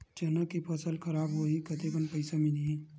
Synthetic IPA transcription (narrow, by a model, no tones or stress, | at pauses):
t͡ʃɛːnakipʰɐsəlkʰɐɾaːbɦoikɐt̪ekənpɐɪsamɪliɛː